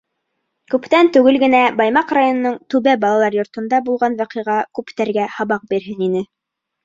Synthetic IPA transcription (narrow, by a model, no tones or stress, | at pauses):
kʉpt̪ænt̪ʉɡɘlɡɘ̆næbɑjmɑqrajonŏnɤɴt̪ʉβæbɑlˠɑlˠɑɾjŏɾt̪ŏnd̪ɑbulˠʁɑnwæqɤ̆jʁɑkʉpt̪æɾɡæhɑβɑq̚biɾɦɘninɘ